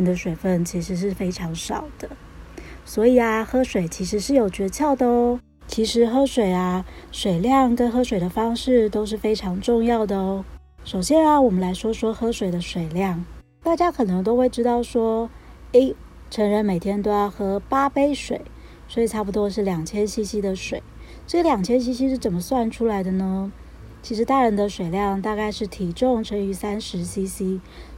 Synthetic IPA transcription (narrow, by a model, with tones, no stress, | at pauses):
nd̪ə˨ʂwe˨˩ɪfə˥˩nt͡ɕʰi˧˥ʂɻ̩˧˥ʂ̬ɻ̩˥˩fe˥ɪʈ͡ʂʰɑ˧˥ŋʂɑ˨˩ʊd̪̥ə˦ | swɔ˧˥i˨˩ɐ˦xɤ˥ʂwe˨˩ɪt͡ɕʰi˧˥ʂɻ̩˧˥ʂɻ̩˥˩jo˨˩ʊt͡ɕɥɛ˧˥t͡ɕʰjɑ˥˩ʊt̪ə˧˥ | t͡ɕʰi˧˥ʂɻ̩˧˥xɤ˥ʂwe˨˩ɪɐ˦ʂwe˨˩ɪljɑ˥˩ŋkə˥nxɤ˥ʂwe˨˩ɪd̪ə˦fɑ˥ŋʂɻ̩˥˩t̪o˥ʊʂ̬ɻ̩˥˩fe˥ɪʈ͡ʂʰɑ˧˥ŋʈ͡ʂʊ˥˧ŋjɑ˥˩ʊd̪ə˩ | ʂo˨˩ʊɕjɛ˥na˧wɔ˨˩mə˦nla˧˥ɪʂwɔ˥ʂwɔ˥xɤ˥ʂwe˨˩ɪd̪ə˦ʂwe˨˩ɪljɑ˥˩ŋ | t̪a˥˩t͡ɕja˥kʰɤ˨˩nɤ˧˥ŋt̪o˥ʊxwe˥˩ɪʈ͡ʂɻ̩˥t̪ɑ˥˩ʊʂwɔ˥ | e˥ɪ | ʈ͡ʂʰə˧˥ŋɻə˧˥nme˨˩ɪt̪ʰjɛ˥nt̪o˥ʊjɑ˥˩ʊxɤ˧˥pa˥pe˥ɪʂwe˨˩ɪ | swɔ˧˥i˨˩ʈ͡ʂʰa˥˩p̬u˨t̪wɔ˥ʂɻ̩˥˩ljɑ˨˩ŋt͡ɕʰjɛ˥nɕi˥ɕi˥d̪ə˨ʂwe˨˩˦ɪ | ʈ͡ʂɤ˥˩ɡə˨ljɑ˨˩ŋt͡ɕʰjɛ˥nɕ̬i˥ɕi˥ʂɻ̩˥˩t͡sə˨˩mə˦swa˥˩nʈ͡ʂʰu˥la˧˥ɪd̪ə˧nə˧ | t͡ɕʰi˧˥ʂɻ̩˧˥t̪a˥˩ɻə˧˥nd̪ə˧ʂwe˨˩ɪljɑ˥˧ŋt̪a˥˧ka˥˧ɪʂɻ̩˥˩t̪ʰi˧˥ʈ͡ʂʊ˥˧ŋʈ͡ʂʰə˧˥ŋy˧˥sa˥nʂɻ̩˧˥ɕi˥ɕi˥